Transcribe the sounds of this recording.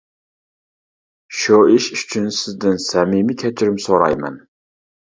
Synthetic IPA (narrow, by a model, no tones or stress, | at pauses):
ʃuiʃyt͡ʃʰynsɪzd̪ɪnsɛmimikʲʰɛt͡ʃʰɪɾɪmsoɾɑ̰jmɛ̰n